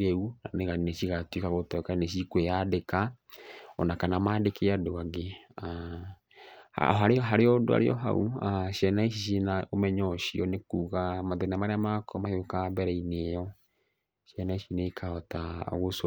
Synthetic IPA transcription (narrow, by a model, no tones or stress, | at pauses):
ɾeunaneɣaneʃiɣatwikaɣotɔkaineʃ̬ikwejadeka | ɔnakanamaːdekeadoaɡea | ha̰ɦaɾeɔɦaɾeɔdo̰a̰ɾḛɔ̰ɦa̰uaʃjɛnaiʃ̬iʃenaomɛɲɔʃiɔnekuːɣamaðenamaɾeamakʰɔmahokabɛɾɛinejɔ | ʃjɛnaiʃinekʰaɔta̰ɣos